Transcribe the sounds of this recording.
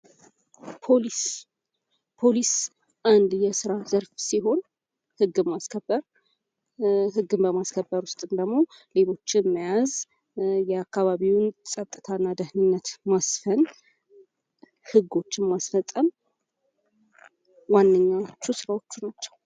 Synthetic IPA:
pʰoli | pʰo̞lis | ʔand̪jɛsɨɾazəɾfsiɦo̞n | hɨɡːɨmːaskʰəbːəɾ | hɨɡːɨmbəmaskʰəbːəɾwʊst̪ʼɨnd̪əɡmo̞ | le̞lo̞t͡ʃːɪmːijaz | jɛakːaβaβiwnsʼət̪ʼɨt̪ʰanːad̪əhnɨnːət̪masfən | hɨɡo̞t͡ʃːɪnmasfəsʼːəm | wanːəɲːat͡ʃːusɨɾawo̞t͡ʃːunat͡ʃːɛ̥w

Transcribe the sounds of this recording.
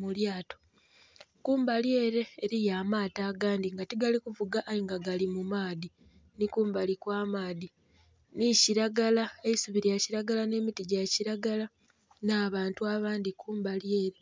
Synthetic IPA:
muljaːto̞̥ | kuːmbalje̞ːɾe̞ːɾijamaːtaːɡaːndiŋɡatiɡalikuvuɡaʔːjiŋɡaɡalimumaːði | nikuːmbalikwaːmaːði | niciɾaɡalaeisuβiɾjaciɾaɡalane̞ːmitiɟaciɾaɡala | naːβaːntuaβaːndikuːmbalje̞ːɾe

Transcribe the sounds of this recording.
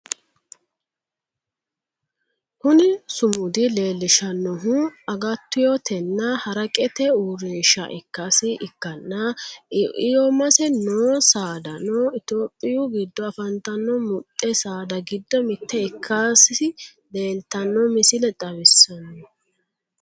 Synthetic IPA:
hʊnɪsʊmʊd̪ɪleːlːɪʃɐnːɔɦuɐɡɐt̪ːʊjɔt̪ʰɛnːɐhɐɾɐkʼɛt̪ɛuːɾeːʃɐ̰ʔɪkːasɪʔɪkːɐnːɐ | ɪjɔmɐsɛnoːsaːd̪ɐnoːɪt̪oːpʼːɪjuɡɪd̪ːɔɐfɐnt̪ːɐnːɔmʊt̪ʼːɛsaːd̪ɐɡɪd̪ːɔmɪt̪ʰːɛɪkʰːaːsɪ | le̞ːlt̪ɐnːɔmɪsɪlɛt̪ʼɐβɪsːɐnːɔ

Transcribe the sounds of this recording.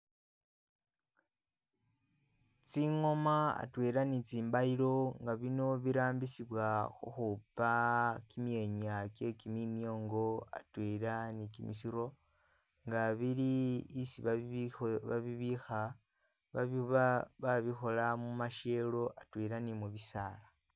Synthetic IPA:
t͡siŋo̞maa̰tweɾanit͡siːmbailo̞ŋɡaβino̞βiɾaːmbisiβwaxuxupakimje̞ɲake̞kiminjo̞ːŋɡo̞a̰tweɾanikimisiɾo̞ | ŋɡaβiliːsiβa | βa̰βiβixa | βa | βaβixo̞lamumaʃe̞lo̞ʔatweɾanimuβisala

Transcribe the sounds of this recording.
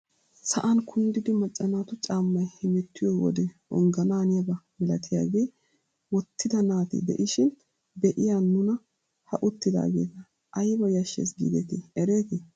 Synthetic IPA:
sɐʔɐnkʰʊnd̪ɪd̪ɪmɐt͡ʃʼːɐnaːt̪ʊt͡ʃʼaːmːɐjhɪmɛt̪ːɪjɔwɔ̰d̪ɛɔ̰ŋɡɐnaːnɪjɐbɐmɪlɐt̪ʰɪja̰ːɡeː | wɔt̪ːɪd̪ɐnaːt̪ɪ̰d̪ɛ̰ʔɪʃɪn | d̪ɛʔɪjaːnːʊnɐ | hɐʔʊt̪ːɪd̪a̰ːɡḛːt̪ɐ | ʔɐjbɐjɐʃːḛsɡḭːd̪ɛt̪ɪɛɾeːt̪ɪ

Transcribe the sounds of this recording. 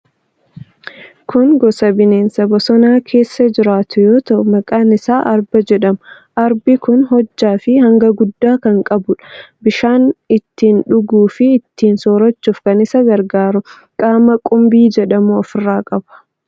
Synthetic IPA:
kʊŋɡɔsɐbɪneːnsɐbɐsɔnaːkʰe̞ːsːɐd͡ʒɪɾaːt̪ʰʊjoːt̪ɐʔʊmɐkʼaːnɪsaːʔɐɾbɐd͡ʒɛᶑɐm | ʔɐɾbɪkʊnɦɔd͡ʒːaːfɪhɐŋɡɐɡʊd̪ːaːkɐŋkʼɐbʊᶑɐ̥bɪʃaːnɪt̪ːiːnᶑʊɡuːfɪːt̪ːiːnsɔːɾɐt͡ʃːuːfkɐnɪsɐɡɐɾɡaːɾʊ | kʼaːmɐkʼʊmbiːd͡ʒɛᶑɐmuɐfɪrːaːkʼɐb̥ɐ̥

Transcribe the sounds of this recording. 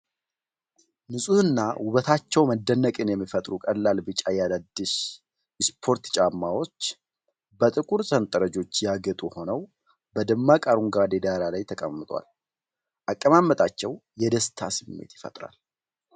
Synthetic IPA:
nɨsʼuɨnːawʊβət̪ʰat͡ʃːɛwməd̪ːənːəkʼɨnjɛmːifət̪ʼɾukʼəlːalbɨt͡ʃʼajad̪ad̪ːɨʃ | spʰo̞ɾt̪t͡ʃʼamːawo̞t͡ʃː | bət̪ʼɨkʼuɾsənt̪ʼəɾəd͡ʒo̞t͡ʃːjaɡət̪ʼuho̞nəw | bəd̪ɨmːakʼaɾuŋɡad̪ed̪aɾalajt̪ʰəkʼə̰mːɨt̪ʼwa̰l | ʔakʼːəmamːət̪ʼat͡ʃːɛwjɛd̪əst̪ʰasɨmːḛt̪jɪfə̰t̪ʼɾa̰l

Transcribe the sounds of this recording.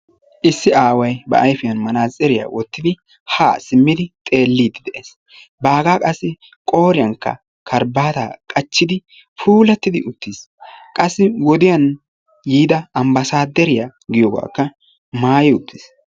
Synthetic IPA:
ʔɪsːɪaːwɐjbɐ̰ʔɐjfɪjɐnmɐnaːzʼɛɾɪja̰wɔt̪ːɪd̪ɪ | ha̰ːsɪmːɪd̪ɪt̪ʼe̞ːlːiːd̪ɪd̪ɛʔes | baːɡaːkʼɐsːɪ | kʼo̞ːɾɪjɐŋkːɐ̰ | kʰɐɾbaːt̪aːkʼɐt͡ʃːɪd̪ɪ | fuːlɐt̪ːɪd̪ɪʔʊt̪ːiːs | kʼɐsːɪwɔd̪ɪjɐn | jiːd̪ɐɐmbɐsaːd̪ːɛɾɪjaɡɪjɔːɡa̰ːkːɐ | maːjɪʊt̪ʰːis

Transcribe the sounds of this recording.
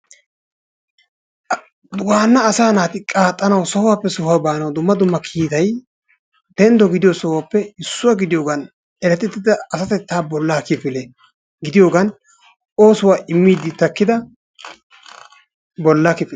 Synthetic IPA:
d̪ʊwaːnːɐːsaːnaːt̪ɪkʼaːt̪ʼːɐnɐwsɔhʊwaːpːɛsʊhabaːnɐwd̪ʊmːɐd̪ʊmːɐkʰiːt̪ɐj | d̪̥ɛnd̪ɔɡɪd̪ɪjosɔwaːpːɛɪsːʊwaɡɪd̪ɪjoːɡɐn | ɛɾɛt̪ːɪt̪ːɪd̪ɐːsɐt̪ɛt̪ːaːbɔlːaːkɪfɪle | ɡɪd̪ɪjo̞ːɡɐn | ʔo̞ːsʊwaːʔɪmːiːd̪ɪt̪ɐkːɪd̪ɐ | bɔlːakɪfɪ

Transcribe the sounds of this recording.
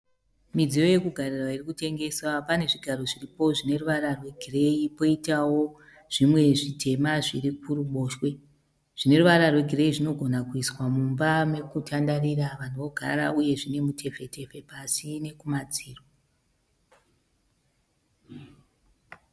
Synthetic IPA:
mid͡zijo̞je̞kuɡʱarirwairikute̞ŋɡe̞swapane̞ʐiɡʱaɾo̞ʐiripo̞ʐine̞ruʋaɾarwe̞ɡʱire̞ipo̞itawo̞ | ʐ̥imwe̞ʐitʰe̞maʐiɾikuruɓo̞ːʃwe̞ | ʐ̥ine̞ruʋaɾarweɡʱire̞iʐino̞ɡʱo̞nakuiswamumbame̞kutʰandaɾiraʋan̤uʋo̞ɡʱa̰ɾa̰uje̞ʐine̞mutʰe̞fe̞tʰe̞fe̞pasine̞kumad͡ziːrwo

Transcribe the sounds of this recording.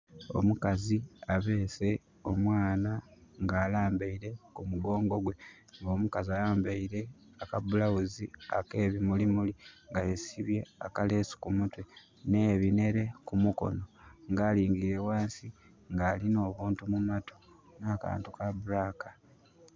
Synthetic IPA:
o̞̰mukaziaβe̞ːse̞ | o̞mwaːnaŋɡaːlaːmbeiɾe̞kumuɡo̞ːŋɡo̞ɡwe̞ | ŋɡo̞ːmukazialaːmbeiɾe̞ | akaβulawuzia̰ke̞ːβimulimuliŋɡajesiβje̞akale̞su̥kumutwe | ne̞ːβine̞ɾe̞kumuko̞̰no̞ŋɡaːliːŋɡiɾe̞waːnsi | ŋɡaːlino̞ːβuːntumumatʰo̥ | naːka̰ːntukaβuɾaːkḁ

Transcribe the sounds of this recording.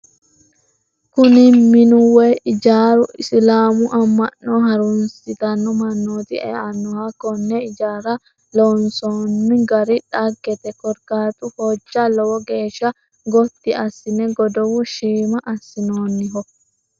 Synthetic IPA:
kʊnɪmɪnʊwɛɪd͡ʒaːɾʊʔɪslaːmʊʔɐmːɐnːɔɦɐɾʊnsɪt̪ɐnːɔmɐnːoːt̪ɪɛ̰ɐnːɔhɐkːɔnːɛɪd͡ʒaːɾɐ | lonsoːnːɪɡɐɾɪᶑɐɡːɛt̪ɛkɔɾkaːt̪ʼʊhɔd͡ʒːɐlɔwɔɡe̞ːʃːɐ | ɡɔt̪ːɪɐsːɪnɛɡɔd̪ɔwʊʃiːmɐʔɐsːɪnoːnːɪɦɔ

